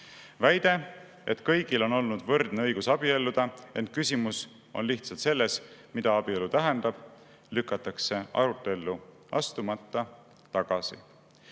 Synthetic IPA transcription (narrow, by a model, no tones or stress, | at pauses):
væjd̪̥e̞ | e̞̰t̪ˑkɤjɡ̥ilo̞no̞lnud̪̥vɤrd̪̥neɤjɡ̥usɑb̥ie̞lːud̪̥ɑe̞nt̪̚kysʲimus | o̞̰nliht̪sɑlt̪se̞lːe̞smid̪̥ɑɑb̥ielut̪æɦend̪̥ɑb̥ | lykːˑɑt̪ːˑɑkse̞ɑ̰ɾut̪ːˑe̞lːu | ɑ̰st̪umɑt̪ːɑ | t̪ɑɡ̥ɑsḭ